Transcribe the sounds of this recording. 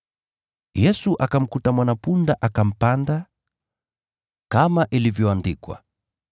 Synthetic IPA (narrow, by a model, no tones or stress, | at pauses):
jɛsuʔakam̩kutamwanapundaʔakam̩panda | kamaʔilivjɔandikwa̰